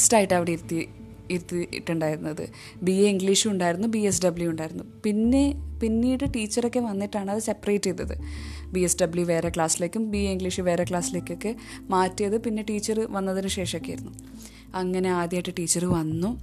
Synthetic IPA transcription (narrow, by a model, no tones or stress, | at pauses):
staːjiʈːɐʋiɽeiɾut̪ːi | iɾut̪ːiḭʈːuɳɖaːjiɾunːɐðɨ̰ | bieiŋɡliːʂɨuɳɖaːjiɾunːubies̬ɖɐbljujuɳɖaːjiɾunːupinːe̞pinːiːɽɨʈiːt͡ɕːɐro̞kːe̞ʋɐnːiʈːaːɳɨɐðɨsepːrejtːiðːɐðɨ̰biːesɖɐbljuʋe̞ːɾekɭaːsile̞ːkʲːumbieiŋɡliːʂɨʋe̞ːɾekɭaːsileːkʲːo̞kːe | maːtːijɐðɨpinːe̞ʈiːt͡ɕːɐrɨʋɐnːɐðinɨɕe̞ːʂɐokːejḭɾunːu | ɐŋːɐne̞aːd̪jaːjiʈːɨʈiːt͡ɕːɐrɨʋɐnːu